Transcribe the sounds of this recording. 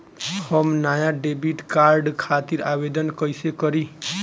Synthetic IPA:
həmnajaɖebiʈkaɾɖkʰat̪iɾabed̪ənkəjsekəɾi

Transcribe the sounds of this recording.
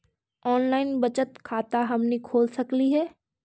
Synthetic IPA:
ɔːnlaːɪnbɐt͡ʃət̪kʰaːt̪aɦɐmnekʰoːlsɐkliɦɛː

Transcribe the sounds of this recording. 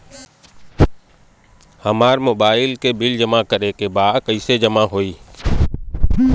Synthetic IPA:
həmaːɾmoːbaːɪlkebɪld͡ʒəmakəɾekebaːd̪kəɪsed͡ʒəmaɦoːiː

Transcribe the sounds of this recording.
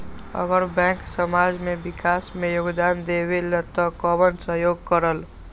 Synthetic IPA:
ə̰ɡəɾbɛ̃ksəmad͡ʒmebikasmejoɡd̪and̪eβelət̪ɔkɔbənsəɦjoɡ̚kəɾəl

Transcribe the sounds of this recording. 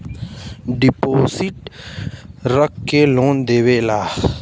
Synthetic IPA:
ɖɪpoːsɪʈ | ɾəkkeloːnd̪eːʋeːlaː

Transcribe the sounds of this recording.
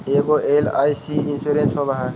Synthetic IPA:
eːɡoʔela̰ːjsiinsuɾẽnsɔbaɦa

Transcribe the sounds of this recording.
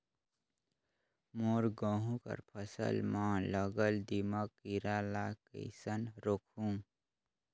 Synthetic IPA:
moːɾɡə̃ːɦũkə̰ɾpʰəsə̰lmãləɡəld̪iməkːiɾalakə̰ɪsənɾokʰũ

